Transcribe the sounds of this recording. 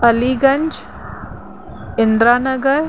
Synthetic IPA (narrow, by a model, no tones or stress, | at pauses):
ɐliːɡɐ̃ɲd͡ʒ | ɪ̃nd̪ɾaːnɐɡəɾ